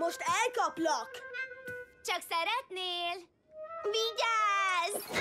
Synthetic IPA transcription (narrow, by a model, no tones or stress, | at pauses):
moʃt̪ɛlkɒplɒk | t͡ʃɒksɛɾɛt̪neːl | ʋiɟaːz